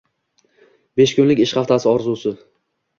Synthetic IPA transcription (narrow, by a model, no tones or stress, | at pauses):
be̞ʃkʲʊnlɪkʲɪʃχɑft̪ʰasɪɒɾzusɪ